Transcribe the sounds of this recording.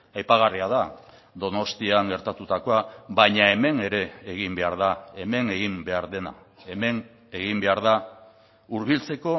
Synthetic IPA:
ajpaɣ̞ariað̞a | d̪o̞no̞st̪iaŋɡe̞ɾt̪at̪ut̪ako̞aβajɲae̞me̞ne̞ɾe̞ːɣimbe̞aɾð̞ae̞me̞ŋe̞ɣimbe̞aɾðe̞na̰ | e̞me̞n | e̞ɣimbe̞aɾða | uɾβ̞ilt͡se̞ko̞

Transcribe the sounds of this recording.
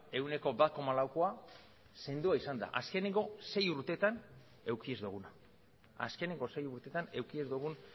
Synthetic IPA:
e̞wne̞ko̞bat̪̚ko̞malawkoa | se̞nd̪uaisand̪a̰ʔaske̞neŋɡo̞se̞juɾt̪e̞t̪an | e̞wkie̞zd̪uɣ̞una | a̰ske̞neŋɡo̞se̞juɾt̪e̞t̪ane̞wkie̞zd̪uɣ̞un

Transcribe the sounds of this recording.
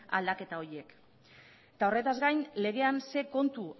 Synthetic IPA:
a̰ld̪ake̞t̪ao̞ɾe̞k | t̪ao̞re̞t̪azɡajnle̞ɣ̞e̞anse̞ko̞nt̪u

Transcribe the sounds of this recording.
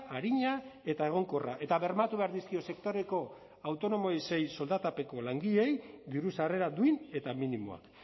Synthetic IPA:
aɾiɲae̞t̪ae̞ɣ̞o̞ŋko̞ra̰ʔe̞t̪aβe̞ɾmat̪uβe̞aɾðiskio̞se̞kt̪o̞ɾe̞ko̞ | awt̪o̞no̞moejse̞jso̞ld̪at̪ape̞ko̞laŋɡiʎe̞jd̪iɾusare̞ɾad̪uine̞t̪aminimo̰a̰k

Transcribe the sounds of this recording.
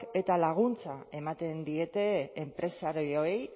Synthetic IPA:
e̞t̪alaɣ̞unt͡sae̞mat̪e̞nd̪ie̞t̪e̞ːmpɾe̞saɾojoej

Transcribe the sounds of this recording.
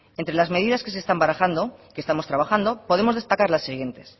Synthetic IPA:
e̞nt̪ɾe̞lazme̞ðiðaske̞s̬e̞st̪ambaɾaxand̪o̞kest̪amo̞st̪ɾaβaxand̪opo̞ð̞e̞mozðe̞st̪akaɾlasːiɣ̞je̞nt̪e̞s

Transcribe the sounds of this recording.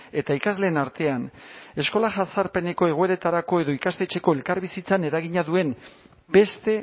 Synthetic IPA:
e̞t̪aikazle̞ːnaɾt̪e̞ane̞sko̞laʝasaɾpe̞ne̞ko̞e̞ɣ̞oe̞ɾe̞t̪aɾako̞e̞ðo̞ikast̪e̞t͡ʃe̞ko̞e̞lkaɾβisit͡sane̞ɾaɣiɲaðue̞n | be̞st̪e̞

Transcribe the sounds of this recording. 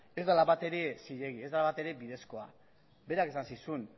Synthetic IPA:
e̞zd̪alaβat̪e̞ɾe̞siʎe̞ɣie̞zd̪alaβat̪e̞ɾe̞biðesko̞a̰ | be̞ɾake̞sansisun

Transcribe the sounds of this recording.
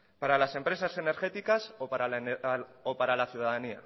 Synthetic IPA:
paɾalase̞mpɾe̞sase̞ne̞ɾxe̞t̪ikasopaɾal | opaɾalaθjuðaðania̰

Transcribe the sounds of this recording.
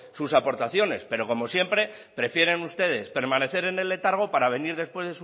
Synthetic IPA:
susapo̞ɾt̪aθjo̞ne̞spe̞ɾo̞ko̞mo̞sje̞mpɾe̞ | pɾe̞fje̞ɾenust̪e̞ð̞e̞spe̞ɾmãne̞θe̞ɾe̞ne̞le̞t̪aɾɣ̞o̞paɾaβ̞e̞niɾðe̞spwe̞zðe̞su

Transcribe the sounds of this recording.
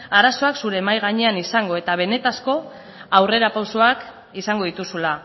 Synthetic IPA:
aɾaso̞aksuɾe̞majɣ̞aɲe̞anisaŋɡo̞e̞t̪aβ̞e̞ne̞t̪asko̞ | awre̞ɾapawsoak | isaŋɡo̞ðit̪usula

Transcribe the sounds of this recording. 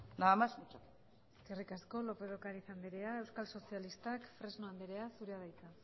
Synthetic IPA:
naamasut͡ʃak | eske̞rikasko̞lo̞pe̞ð̞o̞kaɾisand̪iɾe̞ae̞wskalso̞sialist̪akfɾe̞znoand̪eɾe̞asuɾeaðajt͡s̪a

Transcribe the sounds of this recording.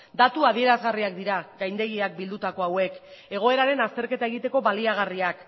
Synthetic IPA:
d̪at̪uaðie̞ɾazɣariakd̪iɾaɡajnd̪e̞ɣiak̚bild̪ut̪ako̞awe̞ke̞ɣ̞o̞e̞ɾaɾe̞nast̪e̞ɾke̞t̪ae̞ɣ̞it̪e̞ko̞βaliaɣ̞ariak

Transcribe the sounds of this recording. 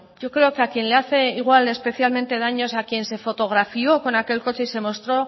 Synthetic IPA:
ɟ͡ʝo̞kɾe̞okeakje̞nle̞aθe̞iɣ̞wale̞spe̞θjalmẽnt̪e̞ðaɲo̞sakje̞nse̞fo̞t̪o̞ɣ̞ɾafio̞ko̞nake̞lko̞t͡ʃeise̞mo̞st̪ɾo̞

